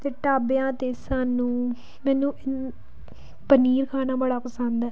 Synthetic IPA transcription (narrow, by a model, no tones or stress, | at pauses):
t̪eːʈaːbejãːt̪eːsaːnũː | mɛ̃ːnũːʔɪ | pəniːɾkʰaːnaːbəɽaːpəsənd̪ɛː